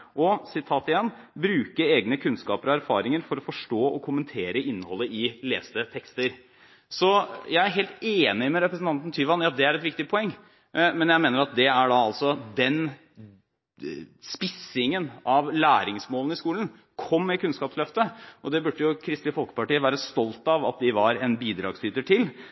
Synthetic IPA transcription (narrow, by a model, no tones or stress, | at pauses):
ʔɔsɪt̪ʰɑːt̪ɪjɛnː | bɾʉːkəɾeːɡnəkʰʉnskɑ̰ːpəɾɔæɾfɑ̰ːɾɪŋəɾfɔɾɔfɔʂʈoːʔɔkʰʊmənt̪ʰeːɾəɪnːəhɔlːəɪlḛːst̪ət̪ʰɛkst̪əɾ | sɔjæɪæɾɦeːlt̪eːnɪmɛɾɛpɾəsn̩t̪ʰɑnt̪n̩t̪ʰyːʋɑnjɑd̪ɛæɾɛt̪ʋɪkt̪ɪpʰɔɛŋː | mɛnjæɪmeːnəɾɑt̪̚d̪ɛæɖɑɑlsɔd̪ɛn | spɪsɪŋənʔɑʋlæːɾɪŋsmoːlən̩ɪskuːlən̩ | kʰɔmːɛkʰʉnskɑːpslœft̪əʔɔd̪ɛbʉɖːəjʊkʰɾɪst̪lɪfɔlkə̥pɑʈiːəʋæːɾəst̪ɔlt̪ɑʋɑt̪̚d̪ɪʋɑɾɛnbiːd̪ɾɑ̰ːɡslyːt̪əʈʰɪl